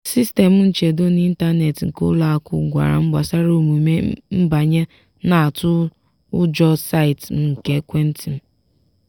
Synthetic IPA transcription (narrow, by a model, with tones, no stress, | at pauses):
si˦ste˨m̩˦n̩˦t͡ʃe˨dʊ˦n˦i˦n̩˦ta˦ne˨tŋ̩˨kʊ̰˦la˨a˨kʊ̰˦ɡʷa̰˨ɾa̰˨m̩˦ɡ͡ba̰˨sa˦ɾo˦mu˨me˦m̩˦ba˨ɲe˦ | na˨a˨tʊ˦ | ʊ˦d͡ʒɔ˦sa˦i˨tm̩˦ŋ̩˨ke˦kʷe˦n̩˦tʰi˨m̩˦